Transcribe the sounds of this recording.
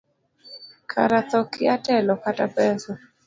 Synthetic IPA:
kʰa̰ɾat̪ɔkɪatɛlɔkatapɛsɔ

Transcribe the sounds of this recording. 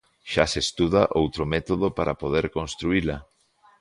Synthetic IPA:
ʃa̰sest̪uð̞aʔowt̪ɾomɛt̪oð̞opaɾapoðeɾkõnst̪ɾuila

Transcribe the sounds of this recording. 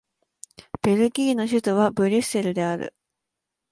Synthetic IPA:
b̥e̞ɾɯ̟ɡʲiːno̞ɕɨt̪oβ̞abɯ̟ɾʲise̞ɾɯ̟d̪e̞aɾɯ̰

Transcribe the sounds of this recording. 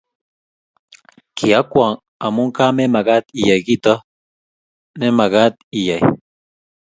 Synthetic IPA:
kʰiakwaŋ | a̰muŋkamemaɣat̪ijaɡit̪o | nemaɣat̪̚ijaj

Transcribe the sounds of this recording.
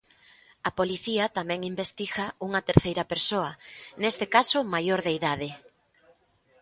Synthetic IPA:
ɐpoliθiɐt̪amɛ̃ŋimbest̪iɣɐuŋɐt̪eɾθejɾɐpeɾsoɐnest̪ekasʊmajoɾðeiðaðɪ

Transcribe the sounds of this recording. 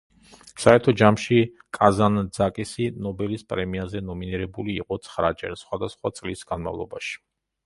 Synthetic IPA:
saɛɾt̪ʰɔd͡ʒamʃi | kʼazand̪zakʼisinɔbɛlispʼɾɛmiazɛnɔminiɾɛbuliːqʼɔt̪sʰχɾat͡ʃʼɛ̰ɾsχwad̪asχwat̪sʼlisɡanma̰vlˠɔ̰baʃi̥

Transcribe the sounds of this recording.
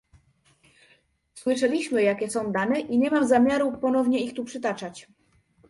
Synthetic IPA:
swɘʂɛlʲiɕmɘjakʲɛsɔ̃w̃d̪anɛʔiɲɛmamzamʲjaɾupɔnɔvɲɛixt̪upʂɘt̪at͡ʂat͡ɕ

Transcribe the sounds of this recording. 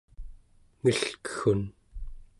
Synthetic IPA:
ŋiɬkə̥xun

